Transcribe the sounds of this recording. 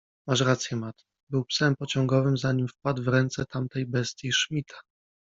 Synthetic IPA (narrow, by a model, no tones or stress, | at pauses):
maʂɾat̪sʲjɛmat̪ | bɘwpsɛmpɔt͡ɕɔŋɡɔvɘmzaɲimfpad̪vɾɛnt̪sɛt̪amt̪ɛjbɛst̪ʲjiʂmʲit̪ʰḁ